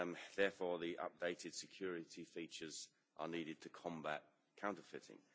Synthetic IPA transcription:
ðɛːfɔːðiʔʌ̰p̚d̥eɪtʰɪd̥sɪkʰj̥ɔːɹɪtʰifiˑt͡ʃəz | ʔə̰niːɾɪd̚tʰəkʰɒ̃mba̰ʔ̚ | kʰãʊ̃ntəfɪtɪ̰̃ŋ

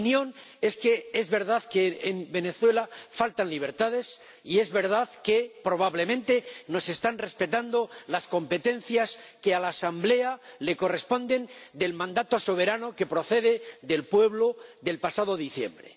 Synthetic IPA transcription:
njõne̞ske̞e̞zβe̞ɾðaðkeːmbe̞ne̞θwe̞lafalt̪anliβ̞e̞ɾt̪aðe̞s | ie̞zβe̞ɾð̞aðke̞pɾo̞β̞aβle̞mẽnt̪e̞no̞se̞st̪anre̞spe̞t̪and̪o̞lasko̞mpe̞t̪ẽ̞n̟θjaske̞alaːsamble̞ale̞ko̞re̞spo̞nd̪e̞nd̪e̞lmãnd̪at̪o̞so̞β̞e̞ɾano̞ke̞pɾo̞θe̞ðe̞ðe̞lpwe̞βlo̞ðe̞lpasaðoðiθje̞̰mbɾe̞̰

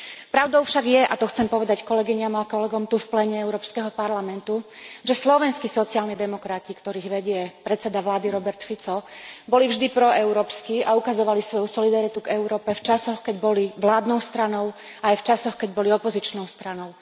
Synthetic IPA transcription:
pɾaʊd̪ɔʊfʃaɡjɛʔat̪ɔxt͡sɛmpɔʋɛd̪ackɔlɛɡiɲamakɔlɛɡɔmt̪ufplɛɲɛɛʊɾɔːpskɛɦɔpaɾlamɛnt̪uʒɛslɔʋɛnskisɔt͡siaːlɲid̪ɛmɔkɾacikt̪ɔɾiːɣʋɛɟɪɛpɾɛt̪t͡sɛd̪aʋlaːd̪iɾɔbɛɾt̪fit͡sɔbɔlivʒd̪ipɾɔɛʊɾɔːpskiaukazɔʋalisʋɔjusɔlid̪aɾit̪uɡɛʊɾɔːpɛft͡ʃasɔxkɛɟbɔliʋlaːd̪nɔʊst̪ɾanɔʊ | ajft͡ʃasɔxkɛɟ̚bɔliɔpɔzit͡ʃnɔʊst̪ɾanɔʊ

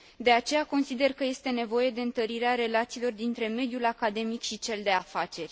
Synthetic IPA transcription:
d̪e̞at͡ʃe̞jako̞nsid̪e̞rkəje̞st̪e̞ne̞vo̞je̞d̪e̞ɨnt̪əɾiɾeaɾe̞lat̪siːlo̞rd̪int̪ɾe̞me̞d̪julakad̪e̞mikʃit͡ʃe̞ld̪e̞afat͡ʃe̞rʲ

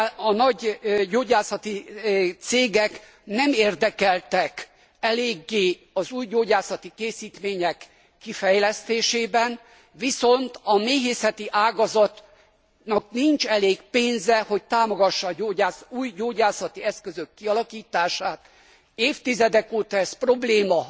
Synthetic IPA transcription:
ɒnɒɟɟoːɟaːsɒt̪it̪seːɡɛk | nɛmeːrd̪ɛkɛlt̪ɛk | ɛleːɡːeː | ɒzuːjɟoːɟaːsɒt̪ikeːsiːt̪meːɲɛkː | ifɛjlɛst̪eːʃeːbɛn | viso̞nt̪ɒmeːɦeːsɛt̪iʔaːɡɒzɒt̪ | nɒkniɲt͡ʃɛleːɡpeːnzɛho̞c̚t̪aːmoɡɒʃːɒoːaːsuːjɟoːɟaːsɒt̪iɛskøzøkːiɒlɒkiːt̪aːʃaːt̪ | eːft̪izɛd̪ɛkoːt̪ɒɛspro̞bleːmɒ

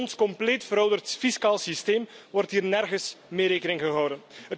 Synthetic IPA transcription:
nskɔmpleːtfəɾœwdərtfiskaːlˠsisteːmʋɔrtɦiːrnɛrɣəsmeːɾeːkənɪŋɣəɦɔwdənɦət

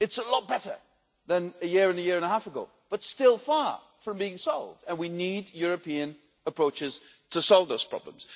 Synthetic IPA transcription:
ɨtsəlɔt̚b̥ɛɾə̰˞ | ðɨ̃nɨjɪɹɨ̃nɨjɪɹɨ̃ñəɦhæfəɡoʊ | b̥ʌtstɪlˠfɑɹ | fɹʌ̃mbiɪ̃ŋsɔlˠvdɨ̃nwinidjʊɹɨpiɨ̃n | əpʰɹ̥oʊt͡ʃɨz̥ | tʰəsɔlˠvðoʊz̥pʰɹ̥ɑ̰blə̰̃m̩z̥

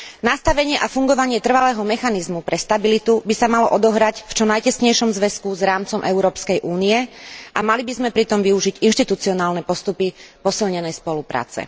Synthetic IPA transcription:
nast̪aʋɛɲɪɛʔafuŋɡɔʋaɲɪɛt̪r̩ʋalɛːɦɔmɛxanizmupɾɛst̪abilit̪ubisamalɔʔɔd̪ɔɦɾacft͡ʃɔnajcɛsɲɛjʃɔmzʋɛskuzɾaːmt͡sɔmʔɛʊɾɔːpskɛjʔuːnijɛʔamalibizmɛpɾit̪ɔmʋiuʒiɟinʃt̪it̪ut͡siɔnaːlnɛpɔst̪upipɔsilɲɛnɛjspɔlupɾa̰ːt͡sɛ̰

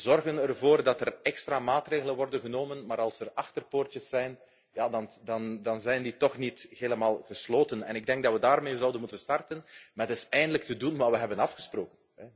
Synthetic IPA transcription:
zɔrɣənərvoːrdɑtərɛkstraːmaːtreːɣələnʋɔrdənɣənoːmənmaːɾɑlˠsərɑxtərpoːrtəsːɛjn | jaːdɑndɑndɑnzɛjndiːtɔxnitɦeːləmaːlˠɣəsloːtənɛ̰nɪɡ̚dɛŋɡ̚dɑtʋədaːrmeːzɑwdənmutənstɑrtənmatɪsɛjndələk̚tədunmaːʋəɦɛbənɑfxəsproːkən | ɛ

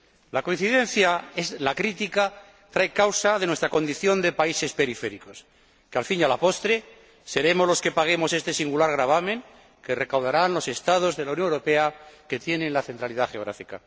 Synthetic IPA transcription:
lako̞ĩn̟θiðe̞n̟θjaezlakɾit̪ika | t̪ɾajkawsaðe̞nwe̞st̪ɾako̞nd̪iθjo̞nd̪e̞paise̞spe̞ɾife̞ɾiko̞s | kealfiɲalapo̞st̪ɾe | se̞ɾe̞mo̞zlo̞ske̞paɣ̞e̞mo̞sest̪e̞siŋɡulaɾɣɾaβ̞amẽ̞ŋ | ke̞re̞kawðaɾanlo̞se̞st̪aðo̞zðe̞lauwnjo̞ŋewɾope̞ake̞t̪je̞nẽ̞nlaθe̞nt̪ɾaliðaxeoɣɾa̰fika

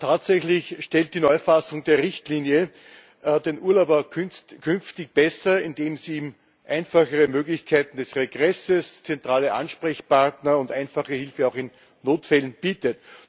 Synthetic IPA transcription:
tʰaːtsɛçlɪçʃtɛlt̚d̥iːnɔʏfasʊŋdeːɐʁɪçtliːnjə | d̥eːnʔuːɐlaʊbɐkʰkʰʏnftɪç̚b̥ɛsɐɪndeːmziːiːm | ʔæɪnfaχəʁəmøːɡlɪçkʰæɪtn̩d̥ɛsʁeɡʁɛsəst͡sɛntʁaːləʔa̰nʃpʁɛçpaʁtnɐʊ̃ndæɪnfaχəhɪlfəɑʊxɪnː | oːtfɛlənb̥iːtət

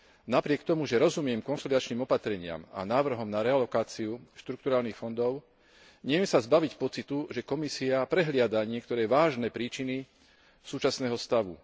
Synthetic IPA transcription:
napɾɪɛkt̪ɔmuʒɛɾɔzumɪɛmkɔnsɔlid̪at͡ʃniːmɔpat̪ɾɛɲɪa̰ma̰naːʋr̩ɦɔmnaɾɛalɔkaːt͡siuʃt̪ɾuk̚t̪uɾaːlnixfɔnd̪ɔʊ | ɲɛmɛsazbaʋicpɔt͡sit̪uʒɛkɔmisiapɾɛɦlɪad̪aɲɪɛkt̪ɔɾɛːʋaːʒnɛːpɾiːt͡ʃini | suːt͡ʃasnɛːɦɔst̪aʋṵ

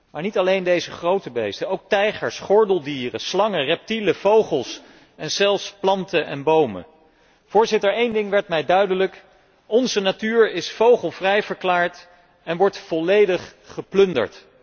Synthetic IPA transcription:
maːɹnitɑlejndejzəχrowtəbḛjstəowk̚tɛjχəɹsχɔɹdəlˠdiːrəslɑŋərɛp̚tiləv̥owχəlˠs | ɛnz̥ɛlˠfsplɑntəʔɛ̰nbowmə̰ | v̥ʊːɹzɪtəɹejndɪŋʋɛɹtmɛjdœɥdələk | ɔnzənatyːɹɪsfowχəlˠvrɛjvəɹklaːɹt | ɛnʋɔɹtfɔlejdəχχəplɵndə̰ɹt

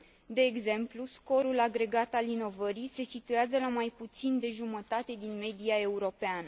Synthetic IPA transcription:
d̪e̞ːɡze̞mplusko̞ɾulaɡɾe̞ɡat̪alino̞vəɾijse̞sit̪ueazəlamajput̪sind̪e̞ʒumət̪at̪e̞d̪inme̞d̪iae̞uɾo̞peanə

